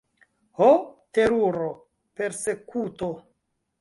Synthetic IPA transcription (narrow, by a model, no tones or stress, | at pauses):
hote̞ɾuɾo | pe̞ɾse̞kuto